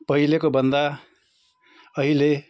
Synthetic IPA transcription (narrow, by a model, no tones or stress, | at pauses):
pʌɦilekobʌnd̪a | ʌɦile